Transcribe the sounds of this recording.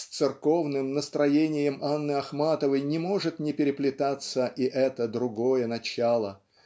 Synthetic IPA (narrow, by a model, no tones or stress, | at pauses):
stt̪sɨrko̞vnɨmnəst̪ɾɐjenʲɪjəmanːɨɐxmat̪əvəjnʲɪmo̞ʐɨt̪nʲɪpʲɪɾʲɪplʲɪt̪at̪səʔiʔɛt̪əd̪ɾʊɡo̞jənɐt͡ɕalˠə